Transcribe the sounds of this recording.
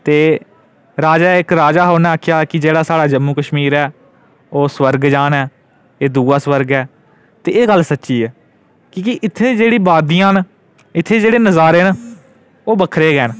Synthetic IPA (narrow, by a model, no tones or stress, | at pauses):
t̪eː | ɾaːd͡ʒaːɪkɾaːd͡ʒaːɦoːnɛ̃ːaːkʰɪjaːkɪd͡ʒeːɽaːsaːɽaːd͡ʒəmːuːkəʃmiːɾɛː | oːsʋəɾɡd͡ʒaːnɛː | eːd̪uːaːswəɾɡɛː | t̪eːeːɡəlːsətːʃiːɛː | kiːkiʔɪt̪ʰːẽːd͡ʒeːɽiːbaːd̪ijãːn | ɪt̪ʰːeːd͡ʒeːɽeːnəzaːɾeːn | oːbəkʰɾeːɡɛːn